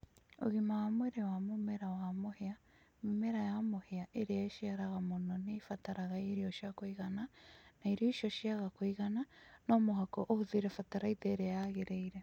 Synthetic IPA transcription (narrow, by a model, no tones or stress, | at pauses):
o̰ɣimawamweɾewamomeɾawamohea | mumeɾajamoheaʔeɾeaeʃiaɾaɣamononeifataɾaɣaeɾioʃiakoiɣananaiɾoiʃoʃiaɣakoiɣananomoɦakoʔohuðiɾefataɾaiteːɾeaɣeɾeiɾe